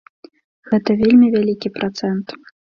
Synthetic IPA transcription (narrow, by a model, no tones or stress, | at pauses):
ɣɛt̪ɐvʲelʲmʲivʲalʲikʲipɾat̪sɛnt̪